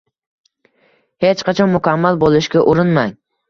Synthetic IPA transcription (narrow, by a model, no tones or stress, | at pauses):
het͡ʃqɑt͡ʃʰɒnmʊkʰʲamːalbolˠɪʃɡʲaʔʊɾɪnmaŋ